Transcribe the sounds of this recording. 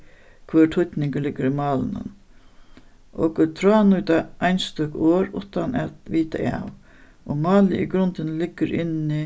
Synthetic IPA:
kʰʋœːʈʰhʊt̪nɪŋkəlɪɡəɾimɑːlɪnʊ̰n | ʔɔ̰kt̪ʰɾaːnʊjt̪aʔajnst̪ʏkoːɾʊ̰ht̪ana̰t̪ʋiːt̪a̰ʔa̰w | ɔmɑːlɪʔiɡɾʊnt̪ɪnlɪɡːəɾʔɪnɪ

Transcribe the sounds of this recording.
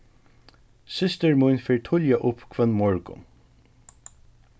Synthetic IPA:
sɪst̪əɹmʊjnfeːɹt̪ʰʊljaʔʊpkʰvɛnːmɔɹkʊ̰n

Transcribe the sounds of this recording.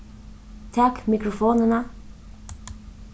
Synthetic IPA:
t̪ʰɑkmɪkɾʊfoːnənə

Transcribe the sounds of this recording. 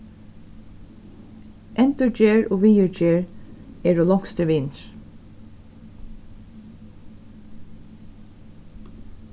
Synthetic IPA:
ʔɛnt̪əɹd͡ʒeːɹoːʋiːəɹd͡ʒeːɹɛːɹoːlɔŋkst̪əʋɪnɹ

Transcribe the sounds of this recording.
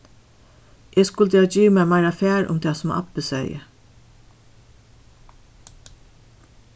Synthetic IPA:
ʔeːskʊlt̪ɛːd͡ʒiːʋmɛːmaɪɾafæːɾʔʊ̰mt̪ʰɛːsʊmɑ̰pəsɛ̰jə̰

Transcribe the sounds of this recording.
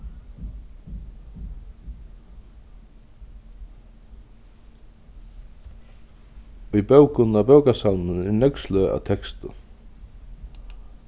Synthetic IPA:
ujpœwkʊnabœwkasaw̪nʊnɛnœkslœa̰wt̪ʰɛkst̪ʊ̰

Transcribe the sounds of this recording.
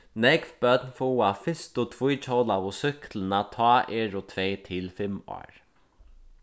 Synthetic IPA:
nɛkvbœt̪nfɔwafɪst̪ʊt̪ʰvujt͡ʃʰowlaʊsʏklənat̪ʰɑːʔeːɹʊt̪ʰvɛːt̪ʰɪlfɪmɔ̰ːɹ

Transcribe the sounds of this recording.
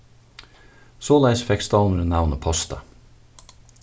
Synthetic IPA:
soːlæɪsfɛkst̪ɑln̩ɾnæʋnəpʰɔst̪ə

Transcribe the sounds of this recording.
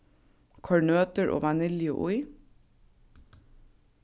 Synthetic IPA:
kʰɑɹɳøːt̪əɹʔo̰ːʋɑnɪljə̰ʔʊɪ

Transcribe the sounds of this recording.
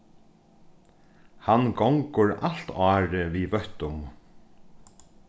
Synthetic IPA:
hanɡɔŋkʊɹal̥t̪ɑːɾɪviːvœht̪ʊm

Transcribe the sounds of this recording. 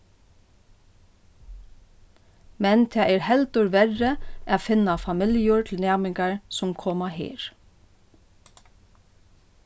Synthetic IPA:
mɛnt̪ʰɛːʔɛːɾhɛlt̪ʊɹʋɛɹəʔafɪnːafamɪljʊɹt̪ʰl̩næːmɪŋkaɹsʊmkʰɔːmaɦḛːɹ

